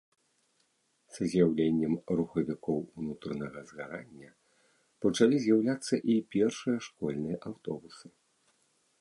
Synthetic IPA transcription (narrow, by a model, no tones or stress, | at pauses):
sɐzʲjawlʲenʲːɛmruxɐvʲikɔwunut̪ɾɐnɐɣɐzɣaɾanʲːɐ | pɐt͡ʂalʲizʲjawlʲat̪sːɐʔipʲɛrʂɨjɐʂkɔlʲnɨjɐʔawt̪ɔbusɨ̥